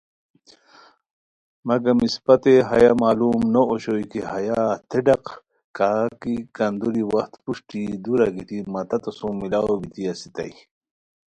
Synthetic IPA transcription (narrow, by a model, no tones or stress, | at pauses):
mɐɡɐmispɐt̪eɦɐ̰jamaːluːmnooɕojkihɐjat̪ʰeɖɐq | kaːkikɐnd̪uɾiwɐxt̪puʂʈid̪uɾaɡit̪imɐt̪ɐt̪ɐsumːilawobit̪ʰiasi̥t̪ɐ̰j